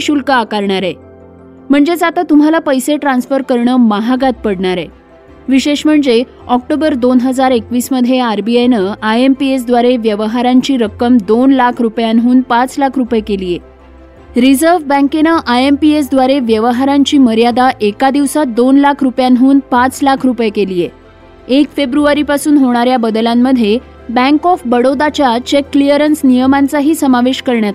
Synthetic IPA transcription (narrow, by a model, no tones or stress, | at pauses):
ɕulkəakaɾɳaɾe | m̤əɳd͡zed͡zat̪at̪um̤alapəjseʈɾãnsfəɾkəɾɳəːmaɦaɡat̪̚pəɽɳaɾe | ʋiɕeɕm̤əɳd͡ze | ɔk̚ʈobəɾd̪onɦəd͡zaɾekʋiːsməd̪ʱjeaɾbiajnəajempies̬d̪ʋaɾeʋjəʋəɦaɾaɲt͡ɕiːɾəkːəmd̪onlakʰɾupjanɦuːnpat͡slakʰɾupjekelije | ɾid͡zəɾʋbə̃ŋkenəʔajempies̬d̪ʋaɾeʋjəʋəɦaɾaɲt͡ɕiːməɾjad̪aʔekad̪iʋsat̪̚d̪onlakʰɾupjanɦuːnpãt͡slakʰɾupjekelije | ekfebɾuaɾipasuːnɦoɽ̃aɾjabəd̪lamːəd̪ʱːje | bɛ̃ŋkɔfbəɽod̪at͡ɕjat͡ɕekːlijəɾənsnijəmant͡saɦiːsəmaʋeɕkəɾɳjat̪